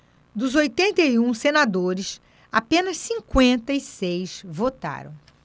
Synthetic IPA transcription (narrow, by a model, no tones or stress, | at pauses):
d̪ʊzojt̪ẽnt̪ɐiũsenad̪oɾɪs | apẽnɐssĩŋkwẽnt̪ɐisejsvot̪a̰ɾɐ̰̃w̃